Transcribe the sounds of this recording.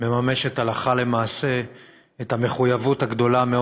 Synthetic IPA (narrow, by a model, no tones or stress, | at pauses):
me̞mame̞ʃetalaχale̞maːse̞ː | thame̞χujavuthaɡd̪o̞lame